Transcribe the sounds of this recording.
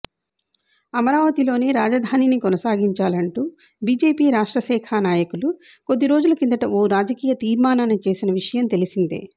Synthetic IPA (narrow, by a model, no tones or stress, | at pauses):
ɐmɐɾaːʋɐt̪ilo̞ːneːɾaːd͡ʒɐd̪ʱaːninikɔnɐsaːɡiɲt͡ʃaːlɐɳʈuː | biːd͡ʒe̞ːpiːɾaːʂʈɾɐsɛːkʰaːnaːjɐkulu | ko̞d̪ːiɾoːd͡ʒulɐkind̪ɐʈɐoːɾaːd͡ʒɐkiːjɐt̪iːɾmaːnaːnɐt͡ʃe̞ːsinɐʋiʂɐjɐmt̪e̞lisind̪ḛː